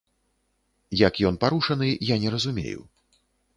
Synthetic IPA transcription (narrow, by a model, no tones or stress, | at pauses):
jɐkjɔnpaɾuʂɐnɨjanʲɛɾɐzumʲḛjṵ